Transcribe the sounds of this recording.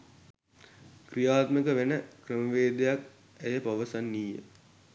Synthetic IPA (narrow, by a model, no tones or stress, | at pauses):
krijaːt̪məkəʋenəkrəməʋeːd̪ejak | æjəpaʋəsanːiːjə̰